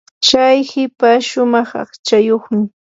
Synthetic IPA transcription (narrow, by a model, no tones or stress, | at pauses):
ʃajhɪpaʃʊmɑχɑ̰χt͡ʃajoχmɪ